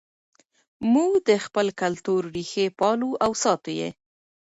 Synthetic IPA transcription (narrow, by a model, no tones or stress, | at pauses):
muɡd̪əxpəlkalt̪oɾɾixepɑluʔawsɑt̪ojḛ